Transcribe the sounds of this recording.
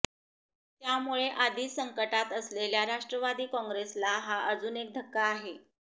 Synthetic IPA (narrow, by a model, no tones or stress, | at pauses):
t̪jamuɭeʔad̪ʱiːsəŋkəʈat̪əsleljaɾaʂʈɾəʋad̪iːkɔ̃ŋɡɾeslaɦaʔəd͡zuːnek̚d̪ʱəkːaːɦe